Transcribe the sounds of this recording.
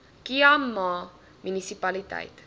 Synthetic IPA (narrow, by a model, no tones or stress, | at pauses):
kiɐmːɑː | mynisipɐlitɛ̰jt